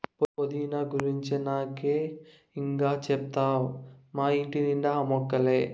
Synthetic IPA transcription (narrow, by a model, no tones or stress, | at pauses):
popod̪inaːɡuɾiɲt͡ʃinaːkeː | iŋkaːt͡ʃɛp̚t̪aːwmaːiɳʈiniɳɖ̪aɐmɔkːɐleː